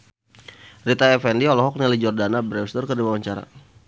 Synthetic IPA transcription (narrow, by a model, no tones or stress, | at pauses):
rit̪aɛfɛndiɔlɔɦɔk̚nɛlid͡ʒɔrdanabəɾɛwst̪ɔrkərdiwawaɲt͡ʃaɾa̰